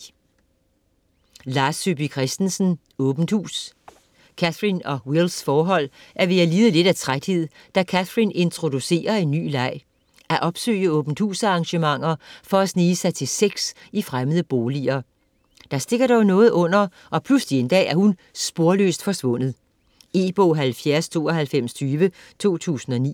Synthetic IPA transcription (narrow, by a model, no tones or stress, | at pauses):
lɑ̈ːsyb̥ikʰʁɛsd̥n̩sn̩ | ɔːb̥n̩hṵːs | kʰæθʁinɒ̽wilsfɒːɦɒ̽l̰ʔæɐʋe̝æliːð̞̩ˠəle̝d̥æt͡sʰʁad̥he̝ð̞̰ˠ | d̥ækʰæθʁine̝nt͡sʰʁo̝d̥use̝̰ːɐe̝nːy̰ːlɑ̈ɪ̰ | ʔæʔɒ̽b̥sø̰ːɪəɔ̽ːb̥n̩dhṵːsɑ̈ʁɑ̈ŋɕəmɑ̈ŋ̰ɐfɒ̽æsniːsɑɪt͡sʰe̝lseɡ̥sifʁaməð̞ˠəb̥oːliɐ | d̥ɑ̈sd̥e̝ɡ̥ɐɾ̥ɒʊnɔ̽ːð̞̩ˠɔ̽n̰ɐ | ʔɒ̽pʰluslie̝nd̥ɛ̰ːæɐhunsb̥o̝ɐlø̰sd̥fɒ̽sʋɔ̽n̰ð̩ˠ | e̝̰b̥ɔ̰ɦælfjæɐst͡sʰo̝̰ːɒɦælfem̰st͡sʰyːʋə | t͡sʰo̝̰ːt͡sʰṵːsn̩ɒ̽nḭː